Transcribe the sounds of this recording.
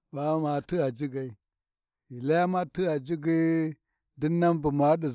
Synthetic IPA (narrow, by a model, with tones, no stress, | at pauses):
ɓa˦ma˨ti˦a˨d͡ʒi˦ɡa˨i˨ | i˨la˦ja˦ma˦ti˦a˨d͡ʒi˦ɡi˦ | di˦nːa˦mbu˨ma˨˦ɗi˨